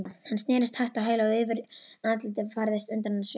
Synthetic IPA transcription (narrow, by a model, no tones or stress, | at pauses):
hanːst̪nɛːɾɪst̪hajht̪awɦeːjlaːɣʏːvɪɾanat̪lɪt̪ɪfaɾðɪst̪ʏnt̪annːas